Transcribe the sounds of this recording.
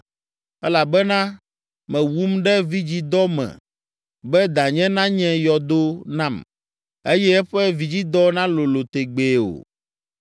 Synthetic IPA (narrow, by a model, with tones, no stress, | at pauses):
ɛ˦la˨bɛ˦nã˦ | mɛ̃˨wu˦mɖɛ˦vi˦d͡ʑi˦d̪ɔ˦mɛ̰̃˨ | bɛ˦d̪ã˨ɲɛ̃˦nã˦ɲɛ̃˦jɔ˨d̪o˦nã˦m | e˦jɛ˦ɛ˦ɸɛ˦vi˨d͡ʑi˦d̪ɔ˦nã˦lo˨lo˨t̪e˨ɡ͡be˨o̰˨